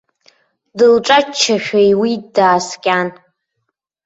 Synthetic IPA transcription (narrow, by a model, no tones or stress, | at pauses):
dɨlʈ͡ʂʼat͡ʃʰːaʃᶣajwidaːskʲʼan